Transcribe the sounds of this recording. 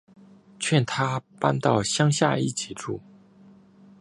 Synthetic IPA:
t͡ɕʰɥɛ˥˩nt̪ʰa˥pa˥nt̪ɑ˥˩ʊɕjɑ˥ŋɕja̰˥˧i˥˩t͡ɕʰi˨˩ʈ͡ʂṵ˥˩

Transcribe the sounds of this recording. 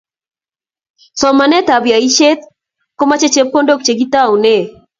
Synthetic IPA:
sɔ˨ma˨nɛ˦t̪a˨bja˨i˦ʃe˦t̪̚ | ko˦ma˦t͡ʃe˦t͡ʃe˦p̚ko˦ndo˦kt͡ʃe˨ɡi˦t̪a˦u˨ne˦˨

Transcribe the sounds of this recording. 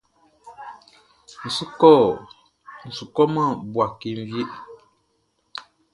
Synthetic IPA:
n̩˨su˦kɔ˦˨ | n̩˨su˨kɔ˦mã˦˨bwa˨ki˨n˦vje˦ʔ

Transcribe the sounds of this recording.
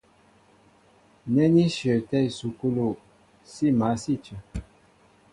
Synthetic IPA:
nɛ˦ni˦ʃə˨tɛ˦˨i˨su˨ku˦lo˨ | si˦˨ma˨˦si˦˨t͡ʃə˨

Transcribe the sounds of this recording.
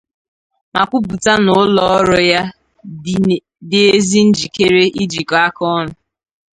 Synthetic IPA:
ma̰˨kʷu˦bu˨ta˦nʊ˨˦lɔ˦ɔ˦ɾɔ˦ja˦ | dɪ˨e˦zi˦n̩˦d͡ʒi˨ke˦ɾe˦ʔi˦d͡ʒi˨kɔ˨a˦kɔ˦nʊ˨

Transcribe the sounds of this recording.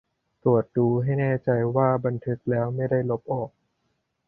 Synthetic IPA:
t̪u˨˩ət̪̚duː˧ɦa˥˩jnɛː˥˩t͡ɕa˧jwaː˥˩ba˧nt̪ʰɯ˦˥k̚lɛː˦˥wma˥˩jda˥˩jlo˦˥p̚ʔɔː˨˩k̚

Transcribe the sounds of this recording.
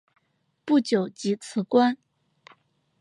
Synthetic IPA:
pu˥˩t͡ɕjo˨˩ʊt͡ɕi˧˥t͡sʰɹ̩˧˥kwa˥n

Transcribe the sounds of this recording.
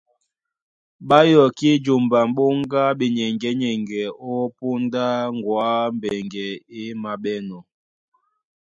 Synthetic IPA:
ɓa˦jɔ˨ki˦d͡ʒo˨mba˨m˦ɓo˦ŋ˦ɡa˦ɓe˨ɲɛ˨ŋɡɛ˨˦ɲɛ˨ŋɡɛ˨ɔ˦po˦nda˦ŋ˨ɡwa˦m̩˨bɛ˨ŋɡɛ˨e˦ma˨ɓɛ˦nɔ˨

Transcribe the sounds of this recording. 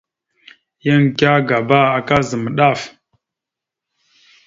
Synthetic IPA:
jə˦ŋ˨kʲa˦ɡa˨ba˦a˨ka˦zə˨mə˨ɗa˦˨f

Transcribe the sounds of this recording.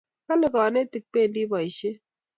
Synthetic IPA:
ka˦le˨kɔ˨ne˦ti˨k̚pe˦˨ndi˦bɔ˨i˨ʃe˦

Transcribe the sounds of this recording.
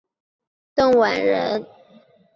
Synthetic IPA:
t̪ɤ˥˩ŋwa˨˩nɻə˧˥n

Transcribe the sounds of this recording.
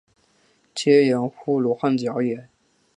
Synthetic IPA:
t͡ɕʰjɛ˥jə˧˥nxu˥lu˧˥xa˥˩nt͡ɕjɑ˧˥ʊjɛ˧˩˦n

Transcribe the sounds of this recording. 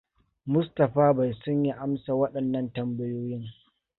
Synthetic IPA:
mʊ˦stɐ˨ɸaː˦ba˨jsʊ˦ɲji˦ʔa˦msa˨wɐ˦ɗɐ˨nːɐ˦ntɐ˨mbɐ˦joː˦jɪ˦ŋ

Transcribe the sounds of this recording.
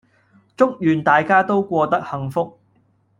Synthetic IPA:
t͡sʊ˥k̚jyː˨˩nt̪aː˨jkaː˥t̪o˥wkʷɔː˧t̪ɐ˥k̚hɐ˨˧ŋfʊ˥k̚

